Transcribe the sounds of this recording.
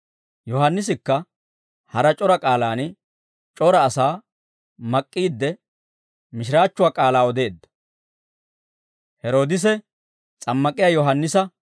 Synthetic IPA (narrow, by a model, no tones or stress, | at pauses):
jɔɦɐnːɪs̬ɪkːɐ | hɐɾɐt͡ʃʼɔɾɐkʼaːlaːn | t͡ʃʼɔɾɐːsaː | mɐkʼːiːd̪ːɛ | mɪʃɪɾaːt͡ʃːʊwaːkʼaːlaːɔd̪e̞ːd̪ːɐ̥ | hɛɾo̞ːd̪ɪs̬ɛ | t͡sʼɐmːɐkʼɪjaːjɔɦɐnːɪsɐ